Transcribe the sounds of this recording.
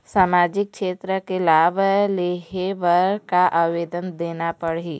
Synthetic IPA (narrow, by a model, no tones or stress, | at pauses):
saːmaːd͡ʒɪk̚kʃeːt̪ɾəkelaːbʱleːɦeʋəɾkaʔaːʋeːd̪ənd̪eːnapəɽiː